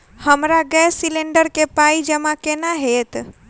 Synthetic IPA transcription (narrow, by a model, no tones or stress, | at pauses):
həmɾaɡɛsːilẽɳɖəɾkepaid͡ʒəmãkenaɦet̪